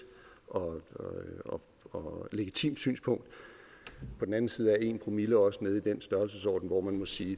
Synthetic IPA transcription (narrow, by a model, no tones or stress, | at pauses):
ʔɒ̽ | ɒ | ɒle̝ɡ̥it͡sʰḭːmd̥sy̰ːnspʰɔ̽ŋ̰d̥ | pʰɒ̽d̥n̩æn̩siːð̞̩ˠæɐe̝npʰʁo̝milɐɒ̽səne̝ð̞ˠid̥ensd̥ɶɐls̬əsɒ̰ːd̥n̩ʋɒ̰mænmɒ̽siː